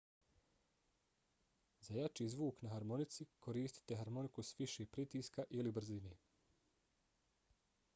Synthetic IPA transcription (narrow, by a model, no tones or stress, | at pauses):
zajat͡ʃiːzʋuːknaɦaɾmo̞nit̪sikʰo̞ɾiːst̪i̥t̪e̞ɦaɾmo̞nikusʋiʃeːpɾit̪iːskaʔilibr̩zineː